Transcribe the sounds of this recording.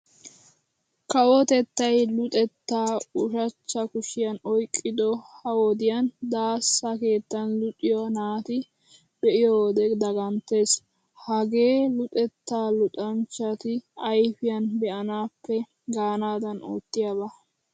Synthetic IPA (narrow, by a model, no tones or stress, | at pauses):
kɐwɔt̪ɛt̪ːɐjlʊt̪ʼɛt̪ːaːʊʃɐt͡ʃːɐkʊʃɪjɐnɔjkʼːɪd̪ɔhɐwɔd̪ɪjɐnd̪aːsːɐke̞ːt̪ːɐnlʊt̪ʼɪjɔnaːt̪ɪ | bɛʔɪjɔwd̪ɛd̪ɐɡɐnt̪ːe̞ːs | hɐɡe̞ːlʊt̪ʼɛt̪ːaːlʊt̪ʼɐnt͡ʃːɐt̪ɪɐjfɪjɐnbɛʔɐnaːpːɛ | ɡaːnaːd̪ɐno̰ːt̪ːɪjabɐ